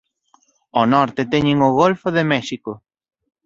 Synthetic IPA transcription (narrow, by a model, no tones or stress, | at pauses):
onɔɾt̪et̪ɛɲeŋʊɣolfoðemɛʃikʊ